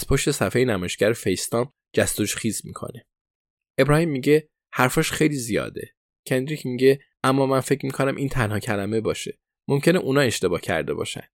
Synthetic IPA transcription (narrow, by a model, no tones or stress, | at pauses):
æz̥pʰoʃt̪e̞sæfejenæmɒːjeʃcæɾefejst̪ɒːm | d͡ʒæst̪oʃxiːzmḭːkʰo̞̰ne̞ | e̞bɾɒːhiːmːiːɟe̞ | hæɾfɒːʃxe̞jliːzijɒ̰ːd̪e̞̰ | cʰe̞nd̪ɾicʰmiːɟe | ʔæmːɒːmænfecmikʰonæmʔiːnt̪ʰænhɒːcʰælæme̞bɒːʃe̞ | mo̞mcʰe̞ne̞ʔunɒːe̞ʃt̪e̞bɒːcʰæ̰ɾd̪e̞̰bɒ̰ːʃæ̰nd̪̥